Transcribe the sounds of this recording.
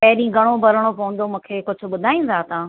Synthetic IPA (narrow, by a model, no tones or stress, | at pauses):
pɐɦɗĩːɡɐɽ̃obʱɐɾəɽ̃opɐʋə̃nd̪omũːkʰeːkʊd͡ʑʱʊ̆ɓʊd̪ʱaːĩːn̆d̪ʱat̪ãː